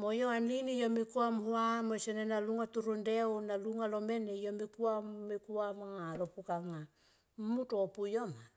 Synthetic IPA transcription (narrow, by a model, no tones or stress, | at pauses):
mojoanlinijomikuamhuamosenenaluŋatuɾundeunaluŋalomenejomikuammikuamaŋalopukaŋa | mmutopujoma